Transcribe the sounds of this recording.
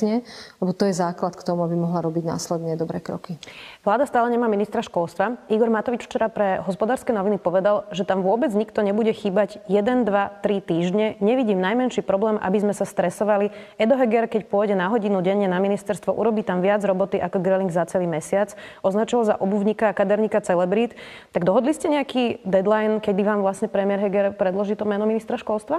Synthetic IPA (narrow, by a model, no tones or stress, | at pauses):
ɲɛɛbɔt̪ɔjɛzaːklat̪kt̪ɔmuabimɔɦlaɾɔbiɟna̰ːslɛd̪ɲɛd̪ɔbɾɛːkɾɔ̰kiʋlaːd̪ast̪aːlɛɲɛmaːminist̪ɾaʃkɔlst̪ʋaiɡɔɾmat̪ɔʋit͡ʃft͡ʃɛɾapɾɛɦɔspɔd̪aːɾskɛnɔʋinipɔʋɛd̪alʒɛt̪amʋʊɔbɛd͡zɲikt̪ɔɲɛbuɟɛxiːbaɟjɛd̪ɛnd̪ʋat̪ɾit̪iːʒɲɛɲɛʋiɟiːmnajmɛnʃiːpɾɔblɛːmʔa̰bizmɛsast̪ɾɛsɔʋaliɛd̪ɔɦɛɡɛɾkɛcpʊɔjɟɛnaɦɔɟinuɟɛɲːɛnaminist̪ɛɾst̪ʋɔʔṵɾɔbiːt̪amʋɪad͡zɾɔbɔt̪iʔakɔɡɾɛliŋɡzat͡sɛliːmɛsɪat͡sɔznat͡ʃɔalza̰ʔɔbuvɲikakad̪ɛɾɲikat͡sɛlɛbɾit̪ | t̪aɡd̪ɔɦɔd̪liscɛɲɛakid̪ɛd̪lajnkɛb̪iʋaːmʋlasɲɛpɾɛmiɪɛɾɦɛɡɛɾpɾɛd̪lɔʒiːt̪ɔmɛnɔminist̪ɾaʃkɔlst̪ʋa